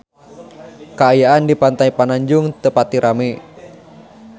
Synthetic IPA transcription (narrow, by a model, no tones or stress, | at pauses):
kaːjaandipant̪aipanaɲd͡ʒʊŋt̪əpat̪iɾʔame